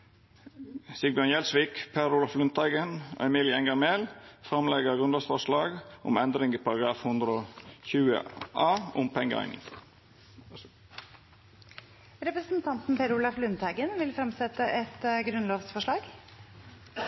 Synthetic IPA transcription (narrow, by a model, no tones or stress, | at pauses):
sɪɡ̚bjɑnjɛlsʋɪkpʰeɾʊlɑflʉnt̪æɪɡənɔ̰ɛmiːlɪɛŋɡɑɾmeːlfɾɑmlɛɡəɾʁʉnɑsfɔʂɭɑːɡʔʊ̰mɛnd̪ɾɪŋəpʰɑɾɑɡɾɑːfhʊnd̪ɾəoçʉːə̰ʔɑːʊmpʰɛŋɡəæ̰ɪnɪ̰ŋ | ɾɛpɾəsn̩t̪ʰɑnt̪n̩pʰeːɾʊːlɑflʉnt̪ʰæɪɡənʋɪlfɾɑmsɛt̪ːəʔɛt̪ɡɾʉnloːʋsfɔʂɭɑːɡ